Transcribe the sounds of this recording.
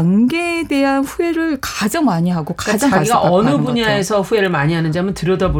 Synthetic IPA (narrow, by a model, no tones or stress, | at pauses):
ŋɡeːde̞ɦanɸue̞ɾɯɭkad͡ʑaŋmaɲiɦaɡokakad͡ʑaŋaɡiɡaʔʌnɯbuɲae̞sʰʌɸue̞ɾɯɭmaɲiɦanɯnd͡ʑiɦamjʌntɯɾjʌdabo